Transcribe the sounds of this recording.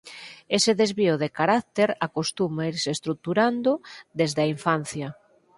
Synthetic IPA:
eseðezβiʊðekaɾak̚t̪eɾakost̪umaiɾsest̪ɾuk̚t̪uɾand̪ʊd̪ezðaiɱfan̟θjɐ

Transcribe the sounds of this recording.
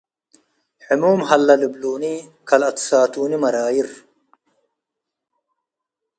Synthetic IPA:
ħʊmuːmhɐlːɐlɪbluːnikʰɐlɐt̪saːt̪uːnimɐɾaːjiɾ

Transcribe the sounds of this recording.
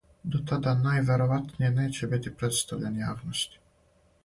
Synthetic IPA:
d̪ot̪ad̪anajʋe̞ɾo̞ʋat̪nijeneːt͡ɕebit̪ipɾet̪st̪aʋʎenjaːʋnost̪i̥

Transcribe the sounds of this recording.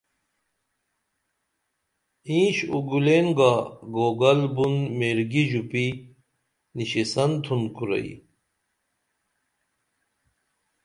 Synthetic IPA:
ĩːɕuɡulenɡaɡoːɡɐlbunmeːɾɡiʑupi | niɕesɐnt̪ʰunkuɾɐ̰ḭ

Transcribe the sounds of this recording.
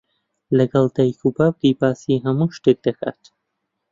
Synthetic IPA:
lɐɡɐlˠd̪ajkʰubaːb̚ɡibaːsiɦɐmuʃt̪ek̚d̪ɐkʰa̰ːt̪

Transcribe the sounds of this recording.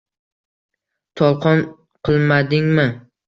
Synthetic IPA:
t̪ʰɒlˠqʰɒn | qʰɨlˠmad̪ɪŋmɪ

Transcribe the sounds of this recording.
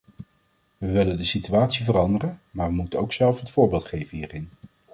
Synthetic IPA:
ʋəʋɪləndəsityaːtsivərɑndərənmaːɹʋəmutənowksɛlˠfɦətfʊːɹbɪːlˠtχejvənɦiːrɪn

